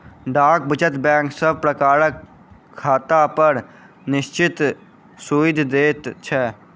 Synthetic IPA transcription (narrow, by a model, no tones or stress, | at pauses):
ɖaːk̚bət͡ʃət̪bɛ̃ːŋksəb̚ʱpɾəkaːɾəkʰː | aːt̪apəɾ | nɪʃt͡ʃɪt̪ | suːɪd̪ʱd̪eːt̪t͡ʃʰɛː